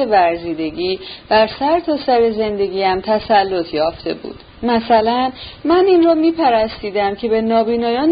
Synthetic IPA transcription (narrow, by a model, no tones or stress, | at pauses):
evæɾziːd̪e̞ɟiːd̪̥æɾsæɾt̪ʰɒːsæɾe̞ze̞nd̪e̞ɟiːæmt̪ʰæsælːo̞t̪ʰjɒːft̪e̞̰bṵːd̪̥ | mæsælænmæninrɒːmiːpʰæɾæst̪iːd̪æmcʰe̞be̞nɒːbiːnɒːjɒːn